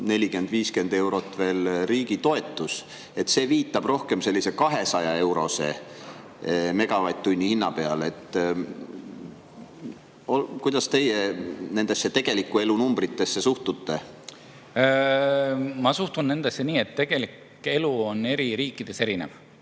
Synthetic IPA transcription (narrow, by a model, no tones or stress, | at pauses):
ne̞lʲike̞nd̪viːske̞nd̪e̞wɾo̞t̪ːˑve̞ːlriːɡ̥it̪o̞e̞t̪ːˑus | e̞t̪ːse̞ːviːt̪ːˑɑb̥ro̞hke̞mse̞lʲːise̞kɑɦe̞sɑjɑe̞wɾo̞se̞̰ | me̞ɡ̥ɑvɑjt̪ːunʲːihinːɑpe̞ɑ̰le̞t̪ːˑ | okujd̪̥ɑst̪e̞jene̞nd̪̥e̞sːet̪e̞ɡ̥e̞likːˑue̞lunumb̥rit̪ːe̞sːe̞suht̪ut̪ːe̞ | mɑsuht̪unnːe̞nd̪̥esːeniːet̪ːeɡ̥elikːˑ | e̞luonːe̞ɾiɾiːkːˑid̪̥e̞se̞ɾinḛv